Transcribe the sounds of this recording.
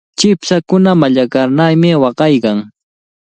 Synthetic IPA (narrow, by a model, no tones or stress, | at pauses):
t͡ʃɪpsakʊnamaʎakaɾnajmɪwɑɢɑjkaŋ